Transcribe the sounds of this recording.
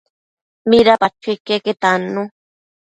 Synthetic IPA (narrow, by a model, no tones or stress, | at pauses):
miɾapat͡ʃʰikeket̪anu